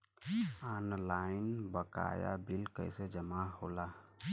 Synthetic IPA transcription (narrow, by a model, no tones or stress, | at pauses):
anlaɪnbəka̰ja̰bilkə̰ɪsed͡ʒəmaɦola